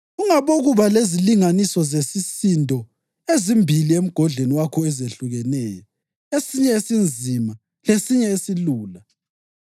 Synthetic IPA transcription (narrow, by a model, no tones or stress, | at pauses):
ɣuŋaβoɣuβaleziliŋanisɔzesisindʱɔ | ezimbʱiliem̩ɡ̥ʱɔɮeniwakʰɔɛzeɬuɣɛnɛːjɔ | esiɲɛesind͡zʱima | lesiɲɛesiluːla